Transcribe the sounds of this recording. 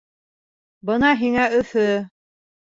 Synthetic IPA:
bɤnɑɦiŋæɵ̆θɵ

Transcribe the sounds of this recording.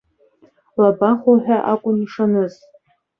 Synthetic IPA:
labaχoħʷᶣaʔakʷʼʊniʂanɨz

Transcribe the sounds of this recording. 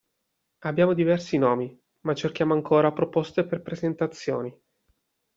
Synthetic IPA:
abjaːmod̪ivɛrsinɔːmi | mat͡ʃːerk̟jaːmoaŋkʰoːɾapɾopost̪eperpɾezent̪at̪sːjo̰ːni

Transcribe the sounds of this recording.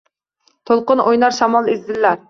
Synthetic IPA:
t̪ʰolˠqʊnʔojnɑɾʃɑmɑlˠizd̪ɪlːæɾ

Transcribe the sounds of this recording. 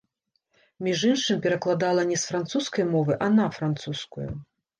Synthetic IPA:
mʲiʐinʂɨmʲpʲɛɾɐklˠad̪alˠɐnʲɛsfɾant̪suskɐjmɔvɨʔɐnɐfɾant̪suskṵjṵ

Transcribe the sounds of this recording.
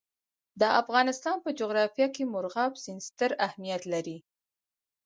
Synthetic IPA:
d̪əʔafɣɑnɪst̪ɑnpəd͡ʒoɣɾɑfjɑkemʊɾɣɑbz̥ɪnst̪əɾahmijat̪laɾi

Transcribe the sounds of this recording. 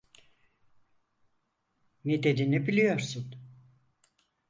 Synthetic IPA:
nid̪ed̪inibilʲijo̞ɾsun

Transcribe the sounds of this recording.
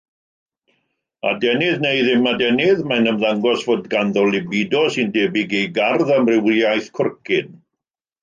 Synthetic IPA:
a̰dɛnɪðnejðɪmadɛnɪðmajnəmðaŋɡɔsvoːdɡanðɔlˠɪbɪdɔsɨndɛːbɪɡejɡarðamrɪwjajθkʰʊrkʰɪn

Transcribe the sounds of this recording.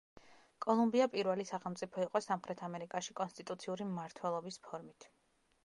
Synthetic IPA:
kʼɔlˠumbiapʼiɾwɛlisaχɛlˠt̪sʼipʰɔiqʼɔsamχɾɛt̪ʰamɛɾikʼaʃikʼɔnst̪ʼit̪ʼut̪sʰiuɾimːaɾt̪ʰwɛlˠɔbispʰɔɾmit̪ʰ

